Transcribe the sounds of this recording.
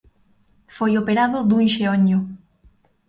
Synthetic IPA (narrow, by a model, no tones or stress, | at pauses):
fojopeɾaðʊðuŋʃeoɲʊ